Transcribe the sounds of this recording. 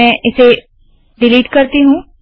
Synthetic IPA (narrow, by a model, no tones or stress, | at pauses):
ɛ̃ːʔɪse | ɖɪliːʈkəɾt̪iɦũː